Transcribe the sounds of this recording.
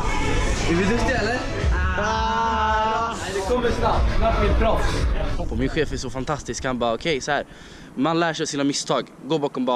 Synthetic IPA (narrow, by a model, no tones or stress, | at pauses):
d̪ɪvɪd̪ʉst̪ɛɛlːə | d̪ɛkʰɔmːəsnap̚t̪vaɾfmɪt̪̚pʰɾɔfspʰɔmɪnɧeːfɛsɔfant̪ʰast̪ɪskhanbɑːɾaɔkʰɛjsɔhæːɾ | manlæːʂɛjsiːnamɪst̪ʰɑːɡ | ɡoːbɑːkɔmbɑː